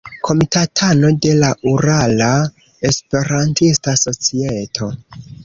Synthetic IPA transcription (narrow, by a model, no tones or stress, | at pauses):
kʰo̞mitatʰano̞de̞laʔuɾala | espe̞ɾantistaso̞t͡sietʰo̞